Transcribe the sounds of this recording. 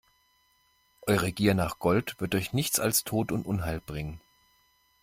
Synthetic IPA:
ʔɔʏʁəɡiːɐnaːχɡ̥ɔltv̥ɪɐtɔçnɪçt͡sa̰lstʰoːtʊntʔʊnɦaɪlb̥ʁɪŋən

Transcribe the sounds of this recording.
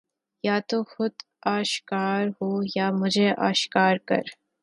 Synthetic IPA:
jaːt̪oːxʊd̪ | aːʃkaːɾɦoːjaːmʊd͡ʒʱeʔa̰ːʃkaːɾkɐ̰ɾ

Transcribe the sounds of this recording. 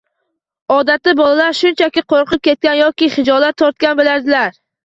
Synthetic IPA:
ɒd̪at̪ːɪbɒlˠalaɾʃʊnt͡ʃʰakʲɪqʰoɾqʰɨp̚kʲʰe̞t̪̚kʲanjɒkʲɪχɪd͡ʒɒlat̪ʰːɒɾt̪̚kʲanbɪlaɾd̪ɪlaɾ

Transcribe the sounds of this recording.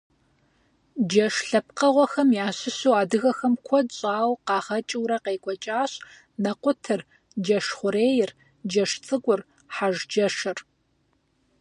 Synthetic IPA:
d͡ʒɐʂɬɐp̚qɐʁʷɔxɐmjaːɕɪɕuwaːdɨɣɐxɐmkʷʰɔdɕʼaːwqɑːʁɐt͡ʃʼɪwɾɐqeːkʷʼɔt͡ʃʼaːɕ | nɐqʷʊtʰɨr | d͡ʒɐʂχʷʊɾeːjɪr | d͡ʒɐʂt͡sʼɨɡʷʼʊr | ħaʒd͡ʒɐʂɨr

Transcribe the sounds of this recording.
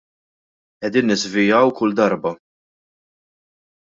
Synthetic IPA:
ʔɛd̪iːnːɪzvɪjɐwkʊld̪ɐɾbɐ

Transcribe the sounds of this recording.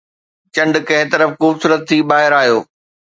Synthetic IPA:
t͡ɕɐ̃ɳɖkɐ̃ɦɪt̪ɐɾəfxuːbsuːɾət̪ʰːibaːɦɪɾaːɦijoː

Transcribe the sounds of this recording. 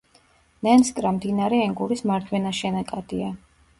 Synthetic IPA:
nɛnskʼɾamd̪inaɾɛɛŋɡuɾismaɾd̪ʰwɛnaʃɛnakʼad̪̥ia

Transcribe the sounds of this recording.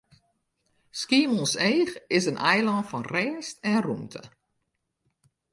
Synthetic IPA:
skiəmɔnseːxɪsənʔɛjlɑːntfɔnrɛːstɛnrumtʰə̰

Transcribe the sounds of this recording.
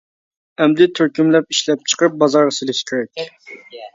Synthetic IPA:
ɛmd̪ɪt̪ʰøɾkʲymlɛp̚iʃlɛp̚t͡ʃʰə̥qɾɨp̚bɑzɑɾʁəsɪlɪʃkʲʰyɾɛkʲ

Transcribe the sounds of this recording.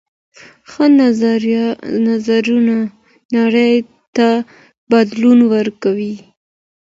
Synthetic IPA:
xə | nazaɾuna | naɽəj | t̪a | bad̪lunwəɾkawi

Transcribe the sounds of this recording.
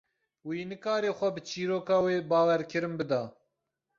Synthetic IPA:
wiːnɨkɑːɾeːxʷɛbɨt͡ʃʰiːɾoːkɑːweːbɑːwɛɾkʰɨɾɨnbɨd̪ɑː

